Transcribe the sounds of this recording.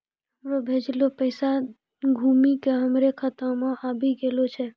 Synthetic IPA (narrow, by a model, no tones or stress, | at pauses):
ɦəmɾobʱed͡ʒlopəɪsa | ɡʱumikeɦəmɾekʰət̪ə̃mẽʔabiɡelot͡ʃʰɛ